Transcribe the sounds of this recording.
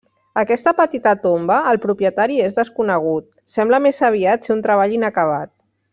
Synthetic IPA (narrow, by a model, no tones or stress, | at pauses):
əkɛst̪əpət̪it̪ət̪ombəːlˠpɾupjət̪aɾiezðəskunəɣ̞ut̪̚ | sɛmbləmezəβ̞iat̪seunt̪ɾəβ̞aʎinəkəβ̞a̰t̪̚